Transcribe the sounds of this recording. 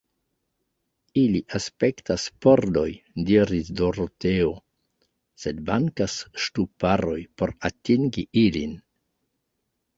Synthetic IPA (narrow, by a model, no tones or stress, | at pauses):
iliʔaspe̞ktaspo̞ɾdo̞jdiɾisdo̞ɾoteo | se̞dmaŋkasʃtupaɾo̞jpo̞ɾatiŋɡiilin